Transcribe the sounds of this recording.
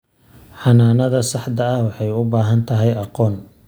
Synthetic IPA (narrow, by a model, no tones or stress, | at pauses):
ħɑnaːnɐðɐsɑħd̪ɐɐhwɑħɑjʊbaːɦɐnt̪ʰɐɦɛjɑqɔːn